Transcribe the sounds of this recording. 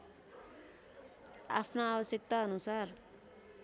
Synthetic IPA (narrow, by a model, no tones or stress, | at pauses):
a̰pʰnaabʌsjʌk̚t̪aɦʌnusar